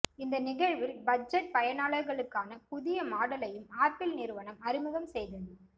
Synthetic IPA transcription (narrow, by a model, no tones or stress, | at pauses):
ɪnd̪ɐnɪɣɐɻʋɪlbɐd͡ʒɐʈ̚pɐjɐnaːɭɐɾɣɐɭɯkːaːnɐpʊðɪjɐmaːɽɐlɐjɯmaːɾpɪlnɪɾɯʋɐɳɐmɐɾɪmɯɣɐmsɛjðɐðɯ